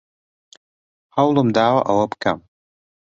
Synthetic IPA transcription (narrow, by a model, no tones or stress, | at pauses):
hawlɨmdaːwa̰ʔawɐpkʰa̰m